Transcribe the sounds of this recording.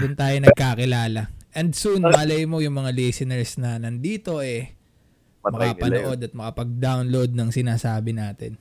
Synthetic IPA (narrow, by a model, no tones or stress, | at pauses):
dʊnt̪aːjonɐɡ̚kaːkɪlaːlɐʔɛnd̪sunmɐlɐjmojʊŋmɐŋalɛjsɪnɛɹsnɐnɐnd̪iːt̪o̞ɛ | mɐkapɐnoʔo̞d̪ɐt̪̚mɐkɐpɐɡ̚d̪awnlod̪̚nɐŋsɪnaːsaːbɪnaːt̪ɛ̰n